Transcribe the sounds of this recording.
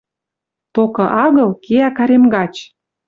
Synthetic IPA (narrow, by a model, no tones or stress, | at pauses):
t̪okɤ̆ʔɑɣɤ̆lkeækɑɾemɡɑt͡ɕ